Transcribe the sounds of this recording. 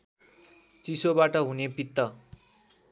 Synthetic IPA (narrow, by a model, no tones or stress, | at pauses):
t͡sisobaʈʌɦunepit̪ːʌ